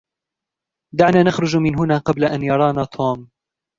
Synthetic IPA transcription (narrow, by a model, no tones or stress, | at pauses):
d̪aʕnaːnaxɾˤʊd͡ʒmɪnɦʊnaːqɑblaʔanjɑɾˤɑːnaːt̪ʰoːm